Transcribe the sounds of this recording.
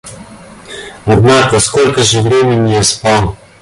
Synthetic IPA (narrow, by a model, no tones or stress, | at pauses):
ɔd̪naːkɔskolkaʒevɾeːmɛnijɛspɔn